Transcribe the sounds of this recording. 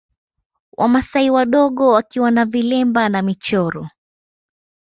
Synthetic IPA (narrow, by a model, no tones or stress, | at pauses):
wʔa̰masaiwaɗɔɠɔwakiwanavilɛmbanamit͡ʃɔɾɔ